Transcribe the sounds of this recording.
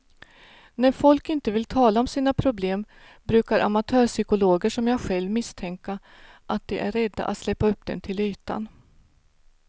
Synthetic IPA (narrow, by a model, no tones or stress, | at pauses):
næɾfɔlkɪnt̪əvɪlt̪ʰɑːlaɔmsiːnapʰɾʊbleːm | bɾʉ̟ːkaɾʔa̰mat̪ʰœːʂʏkʊloːɡəʂɔmjɑːɡɧɛlvmɪst̪ʰɛŋka | ʔat̪̚d̪ɛʔæɾːɛd̪ːa̰ʔa̰t̪slɛpːaɵpːd̪ɛ̰nt̪ʰɪlyːt̪a̰n